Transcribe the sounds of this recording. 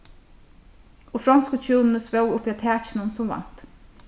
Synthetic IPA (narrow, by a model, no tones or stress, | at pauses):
oːfɾɑnskət͡ʃʰuːnn̩əsʋœwʊpiːɑːt̪ʰæːc͡çnʊnsʊmʋɑ̰n̥t̪